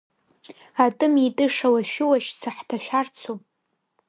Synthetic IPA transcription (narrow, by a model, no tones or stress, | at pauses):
atʼɨmitʼɨʂawaʃᶣʊwaʃt͡sʰaħtʰaʃᶣart͡sʰo